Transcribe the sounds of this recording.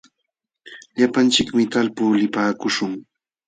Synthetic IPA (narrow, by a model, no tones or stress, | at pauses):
ʎapant͡ʃɪkmɪt̪alpuːlɪpaːkʊʃʊŋ